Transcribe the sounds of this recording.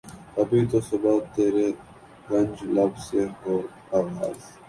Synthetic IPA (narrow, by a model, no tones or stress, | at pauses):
ɐbit̪osʊbaːt̪ːeːɾe | ɡɐ̃nʲd͡ʒlɐbseoːɾ | aːʋa̰ːz